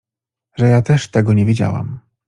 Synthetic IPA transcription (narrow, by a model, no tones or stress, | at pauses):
ʐɛjat̪ɛʂt̪ɛɡɔɲɛvʲid͡ʑa̰wa̰m